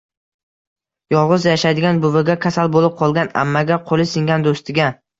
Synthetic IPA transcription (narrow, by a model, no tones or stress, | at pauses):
jɒlˠʁɨzjaʃajd̪ɪɡʲanbʊvɪɡʲakʲʰasalbolɪp̚qʰɒlˠɡʲana̰mːaɡʲaqʰolˠɪsɪŋɡʲand̪ost̪ʰɪɡʲa